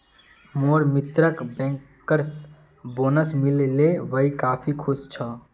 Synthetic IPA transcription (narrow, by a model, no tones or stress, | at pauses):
moɾmit̪ɾəkbɛ̃ŋkː | əɾs | boːnəsmilleʋəikaːpʰikʰust͡ʃʰə